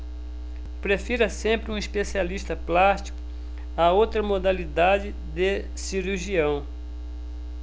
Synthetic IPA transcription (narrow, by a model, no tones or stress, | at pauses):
pɾefiɾɐsẽmpɾɪũispesialiʃt̪ɐplast͡ʃi̥kʊ | aowt̪ɾɐmod̪alid̪ad͡ʒɪ | d̪e | siɾuʒiɐ̃w̃